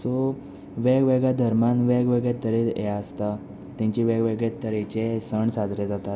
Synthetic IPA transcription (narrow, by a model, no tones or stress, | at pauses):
so | ʋeɡʋeɡɭjad̪ʱəɾmanʋeɡʋeɡɭet̪əɾeḛaəst̪a | t̪ãɲt͡ɕiʋeɡʋeɡɭet̪əɾet͡ɕesəɳsad̪ʱɾed͡zat̪at̪̚